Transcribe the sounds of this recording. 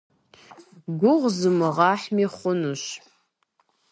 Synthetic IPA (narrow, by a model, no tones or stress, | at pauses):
ɡʷʊʁʷzɨmɨʁaħmiχʷʊnuʃ